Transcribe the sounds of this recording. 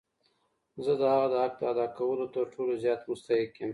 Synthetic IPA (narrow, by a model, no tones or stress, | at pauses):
zəd̪əhaɣad̪əhak̚p̪aad̪ɑkawəlot̪əɾʈʰolozjɑːt̪mʊst̪aɦɪkjem